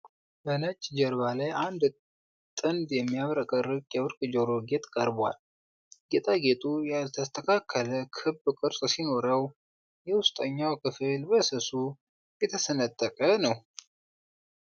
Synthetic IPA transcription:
bənət͡ʃʼːd͡ʒəɾβalajʔand̪ | t̪ʼɨnd̪jɛmːijaβɾəkʼərɨkʼjɛwɨɾkʼd͡ʒoɾoɡe̞t̪ʼkʼəɾba̰l | ɡet̪ʼʰaɡe̞t̪ʼujalt̪ʰəst̪ʰəkʰakʰːələkʰɨbkʼɨɾsʼsino̞ɾəw | jɛwʊst̪ʼəɲːawkʰɨfɨlbəsɨsu | jɛt̪ʰəsənət̪ʼːəkʼənəw

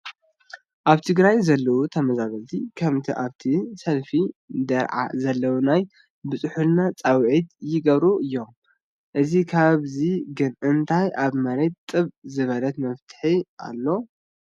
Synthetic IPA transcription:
ʔaβt̪ʰɨɡɾajzɐlːɐʔut̪ʰɐmɐzaβɐlt̪ʰikʰɐmt̪ʰḭʔaβt̪ʰisɐlfid̪ɐɾʕa̰zɐlːɐwunaj | bɨt͡sʼɨħulnat͡sʼawʕit̪jɪɡɐβɾuʔɨjːo̞m | ʔɨzikʰaβziɡɨnʔɨnt̪ʰajʔaβmɐɾe̞t̪t̪ʼːɨβzɨβɐlɐt̪mɐft̪ʰɨ̥ħiʔa̰lːo̞

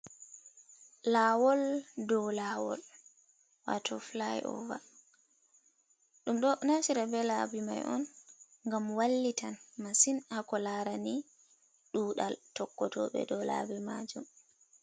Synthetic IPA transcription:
laːwɔldɔlaːwɔ̰l | wa̰tʰɔflajɔ̰va̰ | ɗumɗɔnasiɾabɛlabima̰jʔɔ̰n | ŋɡamwalːitanmasinakɔlaɾani | ɗuːɗaltɔkːɔtɔɓɛ̰dɔla̰bɛmad͡ʒum

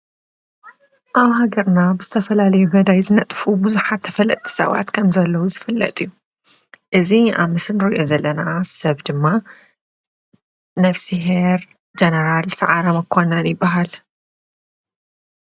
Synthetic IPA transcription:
ʔaβɦaɡɐɾnabɨzɨt̪ʰɐfɐlalɐjubɐd̪ajzɨnɐt̪ʼfubɨzuħat̪ʰːɐfɐlːɐt̪ʼʰːi̥sɐ̰βa̰t̪kʰɐmzɐlːɐwuzɨfɨlːɐ̰t̪ʼiju | ʔɨzia̰βmɨsɨnɾɨʔo̞zɐlːɐnasɐβd̪ɨmːa | nɐfsiɦeɾ | d͡ʒɐnɐɾalsaʕaɾɐmɐkʰonɐnjɪbːaɦal

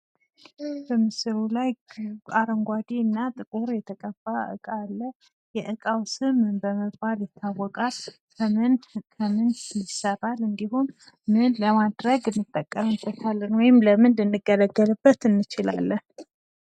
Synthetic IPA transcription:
b̥əmɨsɨɾulajʼaɾəŋɡʷad̪inːat̪ʼɨkʼuɾjɛt̪ʰəkʼəb̥aʔɨ̰kʼalːə | jɛʔɨkʼawsɨmbəməbaljɪt̪ʰːawːɔkʼal | nkʰəmɨnlɪsəɾalɨnd̪iɦun | mɨnləmad̪ɾəɡɨnːɨt̪ʼːəkʼːəmɨb̪ət̪ʰalːnwɔjɪmləmɨndɨnːɨɡələɡːəlɨbːət̪ɨnːɨt͡ʃɪla̰lːən

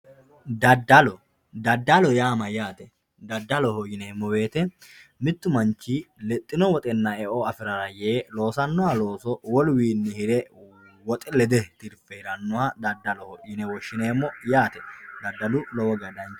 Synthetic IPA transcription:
d̪ɐd̪ːɐlɔ | d̪ɐd̪ːɐlɔjaːmɐjaːt̪ɛ | d̪ɐd̪ːɐlɔhojɪneːmːɔbe̞ːt̪ɛmɪt̪ːʊmɐnt͡ʃːiːlɛt̪ʼːɪnɔwɔt̪ʼɛnːɐɛʔoɐfɪɾɐɾɐjeːlo̞ːsɐnːʊwalo̞ːsɔwɔlwiːnːɪhɪɾɛ | wɔt̪ʼɪlɛd̪ɛt̪ɪɾpːɛɪɾɐnːʊwaːd̪ɐd̪ːɐlɔhɔjɪnɛwɔʃːɪneːmːɔjaːt̪ɛd̪ɐd̪ːɐlʊlɔwɔɡɐd̪ɐnt͡ʃ

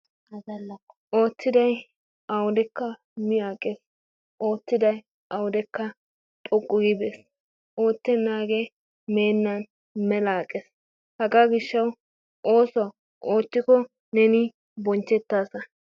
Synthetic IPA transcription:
ʔo̞ːtːɪd̪ɐj | ɐwʊd̪ɛkːɐ | mɪaːkʼːes | ʔoːtːɪd̪ɐj | ʔɐwʊd̪ɛkːɐ | t̪ʼɔɡʼʊɡɪbes | ʔoːt̪ːɛnːaːɡe | meːnːɐn | mɛlaːkʼːes | hɐɡaːɡɪʃːɐw | ʔoːsɔw | ʔoːt̪ːɪkɔ | nɛnɪ | bɔnt͡ʃːɛt̪ːaːsɐ

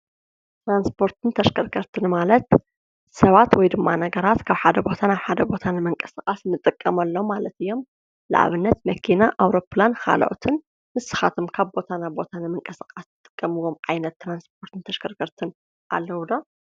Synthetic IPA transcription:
t̪ɾanspʰo̞ɾt̪ʰɨnt̪ʰɐʃkʰɐɾkʰɐɾt̪ʰɨnmalɐt̪ | sɐβat̪wɔjd̪ɨmːanɐɡɐɾat̪kʰaβħad̪ɐbo̞t̪ʰanaβħad̪ɐbo̞t̪ʰanɨmɨŋkʼɐ̥sɨkʼasnːɨt̪ʼɨkʼːɐmɐlːomalɐt̪ɨjːo̞m | la̰ʕa̰βɨnːɐt̪mɐkʰinaʔawɾo̞pʰlankʰa̰lʔo̰t̪ʰɨn | mɨsɨ̥xat̪ʰomkʰaβbo̞t̪ʰanabo̞t̪ʰanɨmɨŋkʼɐsɨkʼasnɨt̪ʼɨ̥kʼːɐmɨwo̞mʕajnɐt̪ːɾansp̚ʰo̞ɾt̪ʰɨnt̪ʰɐʃkʰɐɾkʰɐɾt̪ʰɨn | ʔa̰lːɐwd̪o

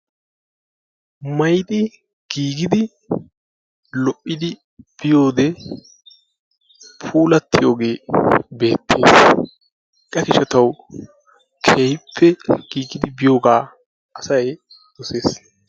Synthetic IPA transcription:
mɐjd̪ɪ | ɡ̥iːɡɪd̪ɪ | lɔʔːɪd̪ɪ | b̥ɪjo̞ːd̪ɛ | pʰuːlɐt̪ːɪjo̞ːɡe̞ːbe̞ːt̪ːḛːs | ʔɐkɪʃɐt̪ɐw | kʰeːjpʰːɛɡ̥iːɡɪd̪ɪbɪjo̞ːɡaː | ɐsɐj | d̪̥ɔse̞ːs

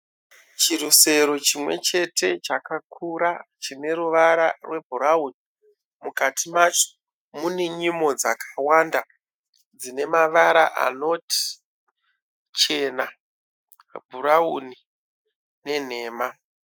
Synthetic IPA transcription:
t͡ʃiɾuse̞ɾo̞t͡ʃimwe̞̰t͡ʃe̞tʰe̞t͡ʃakakʰuɾat͡ʃine̞ɾuʋaɾarwe̞bʱuɾauni | mukatʰimat͡ʃo̥ | mune̞ɲimo̞d͡zakʰḁwanda | d͡zine̞maʋaɾaʔa̰no̞ti̥ | t͡ʃe̞na | bʱurauni | ne̞n̤e̞ːma

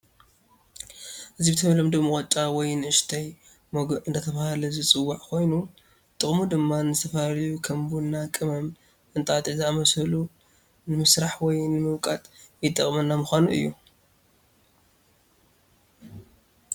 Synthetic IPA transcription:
ʔɨzibɨt̪ʰɐmɐlɐmd̪omɨχʼɐt͡ʃʼːawɔjnɨɨʃt̪ʰaj | mɐɡɨnd̪ɐt̪ʰɐβahalɐzɨt͡sʼɨwːaʕkʰo̞jnu | t̪ʼɨχʼmud̪ɨmːanɨzɨt̪ʰɐfɐalijukʰɐmbunːakʼɨmɐm | ʔɨnt̪ʼat̪ɐzamɐsɐlu | nɨmɨsɾaħwɔjnɨmɨβkʼat̪jɪt̪ʼːɐχʼmɐnːamɨxʷanuʔɨ̰jːu

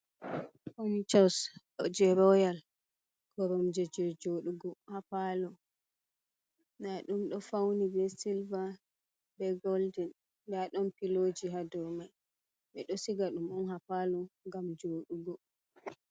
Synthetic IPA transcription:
ɔnit͡ʃɔs | d͡ʒɛɾɔjal | ɡ̥ɔɾɔmd͡ʒɛd͡ʒɛd͡ʒoɗuɡɔhapalɔ | naɗumɗɔfawnibɛsilva | bɛɡɔldɛnː | daɗɔnpilod͡ʒiɦadɔɾmaj | ɓɛɗɔsiɡaɗumɔnhapalɔŋɡamd͡ʒoːɗuɡɔ

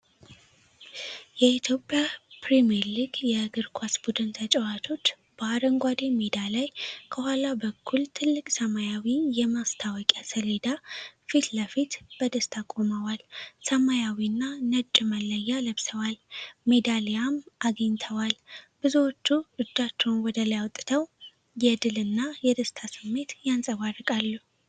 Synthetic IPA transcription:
jɛit̪ʰjo̞pʼjapɾemɛɾliɡjɛɡɨɾkʰʷasbud̪ɨnt̪ʰət͡ʃʼɛwat̪ʰo̞t͡ʃː | baaɾəŋɡʷad̪e̞med̪alajkʰəhalabəkʰːult̪ʰɨlːɨkʼsəmajawijɛmast̪ʰawɔkʼasəle̞d̪afit̪ləfit̪b̥əd̪əst̪ʰakʼoməwalsəmajawiɨnːanət͡ʃʼːɨməlːəjːaləβsəwalme̞d̪alejamʔaɡəɲt̪ʰəwalbɨzuwot͡ʃːuɨd͡ʒ̪ːat͡ʃːɛwnwɔd̪əljawt̪ʼt̪ʰəw | jɛd̪ɨlɨnːajɛd̪əst̪ʰasɨmːe̞t̪jansʼəβarːɨkʼalːuh

